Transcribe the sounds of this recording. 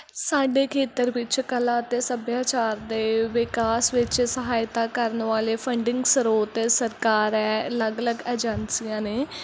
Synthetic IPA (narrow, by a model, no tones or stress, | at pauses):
saːɖeːkʰeːt̪əɾʋɪt͡ʃkəlãːt̪eːsəbjaːt͡ʃaːɾd̪eːʋɪkaːsʋɪt͡ʃsəɦaːɪt̪aːkəɾnʋaːleːpʰəɳɖɪŋɡsəɾoːt̪ːsəɾkaːɾɛːələɡələɡɛːd͡ʒənsijãːneː